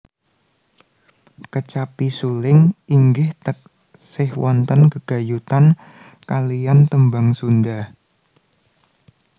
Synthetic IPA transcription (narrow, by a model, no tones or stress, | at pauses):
kət͡ʃapisulɪŋiŋɡɪht̪ək̚ | sɪhwɔnt̪ənkəɡ̥a̤jut̪an | kalijant̪əmbaŋsundah